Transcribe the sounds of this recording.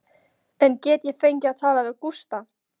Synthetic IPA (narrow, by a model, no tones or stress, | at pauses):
ɛncɛːt̪jɛfejɲcɪaðt̪ʰaːlavɪðkust̪a